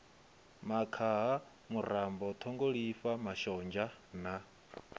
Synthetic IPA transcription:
makʰaɦa | muɾambɔt̪ʰɔŋɡoɺifamaʃɔnd͡ʒana

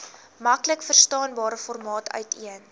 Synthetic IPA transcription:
mɐkləkfərstɑːnbɑːɾəfɔrmɑːtʰœ̰ɥtʰiən

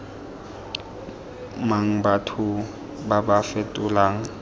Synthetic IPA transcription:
maŋ̩batʰʊ | babafɛtʼʊlaːŋ̩

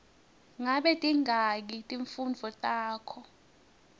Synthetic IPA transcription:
ŋaɓɛtʼiŋʱak̬itʼiɱfund͡vʱɔtʼaːkʰɔ

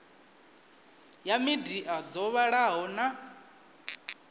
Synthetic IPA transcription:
jamidiʔad͡zɔβaɺaɦɔna

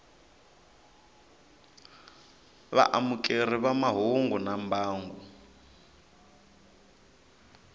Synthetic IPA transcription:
βa̰ʔamukʼeriβamaɦuŋɡɔnambaːŋɡu

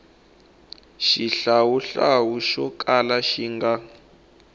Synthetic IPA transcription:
ʃiɬawuɬawuʃɔkʼalaʃiŋɡa

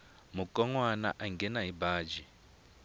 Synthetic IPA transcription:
mukʼɔŋwana̰ʔaŋɡɛnaɦibaːd͡ʒi

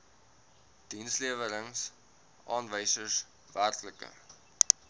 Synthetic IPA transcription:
d̥insliəvəɾəŋs | ʔɑːnvəjsəs | værtləkə̰

